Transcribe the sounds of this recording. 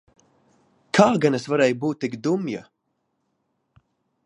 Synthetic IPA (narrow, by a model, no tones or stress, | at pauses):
kʰaːɡanɛsvaɾɛjbuːt̪ːikd̪umja̰